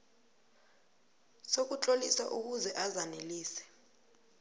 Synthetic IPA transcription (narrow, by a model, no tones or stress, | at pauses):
sok̬ʼut͡ɬʼolisaʔuk̬uzɛʔazaneliːsɛ̥